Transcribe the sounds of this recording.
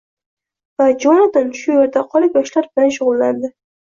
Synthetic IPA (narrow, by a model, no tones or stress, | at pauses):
vad͡ʒɒnɒd̪ɪnʃʊjeɾd̪aqʰɒlˠɪpjɒʃlaɾbɪlanʃ̬ʊʁʊlˠːand̪ɪ